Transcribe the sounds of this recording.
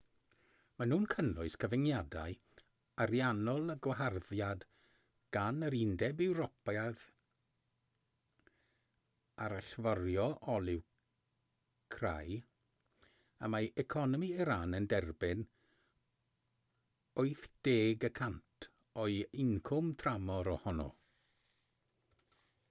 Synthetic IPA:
manuːnkʰənlʊɨskʰəvɪŋjada̰ɨ | aɾjanɔlˠəɡwaɦarðjad | ɡ̥anəɾɪndɛbɪwɾɔpað | aɾaɬvɔrjɔʔɔlˠɪw | kʰra̰j | əmaɛkʰɔnɔmiiɾanəndɛrbɪn | oɨθd̥eːɡəkʰantʰ | ɔɨɪŋkʰʊmtʰramɔɾɔhɔnɔ̰

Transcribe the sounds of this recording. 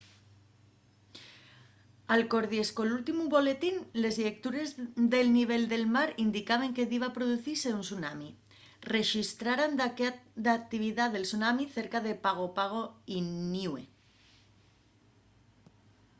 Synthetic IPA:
alko̞ɾðie̞skolult̪imuβo̞le̞t̪inle̞zʎek̚t̪uɾe̞zðe̞lniβ̞e̞ld̪e̞lmaɾind̪ikaβ̞eŋke̞ðiβapɾoðuθiɾseunsunami | re̞ʃist̪ɾaɾand̪d̪ak̚t̪iβ̞iðaðe̞lsunamiθe̞ɾkað̞e̞paɣ̞opaɣ̞oiniwḛ

